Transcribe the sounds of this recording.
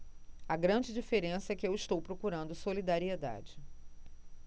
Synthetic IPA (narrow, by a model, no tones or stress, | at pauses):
ɐɡɾɐ̃d͡ʒɪd͡ʒifeɾẽsɐɛkɪewist̪owpɾokuɾɐ̃nd̪ʊsolid̪aɾied̪a̰d͡ʒɪ